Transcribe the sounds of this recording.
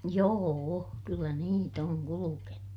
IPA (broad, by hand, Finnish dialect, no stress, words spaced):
joːo kylːæ niːt oŋ kulukenu